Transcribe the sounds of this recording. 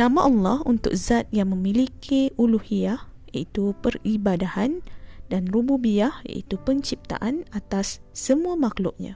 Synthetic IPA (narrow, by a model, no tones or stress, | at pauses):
nãmaʔɔlːɑhunt̪ʊ̰k̚zat̪̚jaŋmə̃milikʰiuluhiahja̰ʔit̪upəribadahandanrububiahja̰ʔḭt̪upəɲt͡ʃip̚t̪a̰ʔanat̪asːəmũamaklʊʔ̚ɲã̰